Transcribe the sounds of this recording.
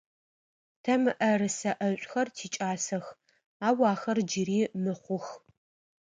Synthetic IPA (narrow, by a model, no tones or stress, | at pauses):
tʰɐmɨʔɐrɨsɐʔɐɕʷʼxɐrtʰiːt͡ʃʼaːsɐx | aːwɑːxɐrd͡ʒɪɾiːmɨχʷʊx